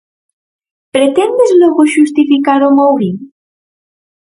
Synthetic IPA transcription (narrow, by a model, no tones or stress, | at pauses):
pɾet̪ɛnd̪ezlɔɣoʃust̪ifikaɾomowɣiŋ